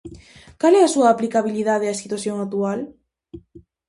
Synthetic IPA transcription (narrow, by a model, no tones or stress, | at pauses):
kaleasuaːplikaβ̞iliðað̞easit̪waθjoŋat̪ual